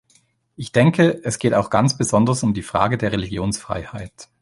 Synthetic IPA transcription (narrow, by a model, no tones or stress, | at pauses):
ʔɪçd̥ɛŋkʰəʔɛsɡ̥eːtaʊxɡ̥ant͡sb̥əzɔndɐsʊmdiːfʁ̥a̰ːɡədeːɐʁeliɡjoːnsfʁ̥a̰ɪha̰ɪt